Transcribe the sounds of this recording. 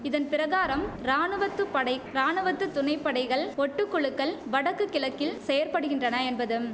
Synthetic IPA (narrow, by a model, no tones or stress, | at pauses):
ɪðɐnpɪɾɐɣaːɾɐmɾaːnɯʋɐt̪ːɯpɐɽɐɪɾaːnɯʋɐt̪ːɯt̪ːʊnɐɪpːɐɽɐɪɣɐɭɔʈːɯkːɔɭɯkːɐɭʋɐɽɐkːɯkːɪlɐkːɪlsɛjɐɾpɐɽɯɣɪndrɐnɐɛnbɐðɯm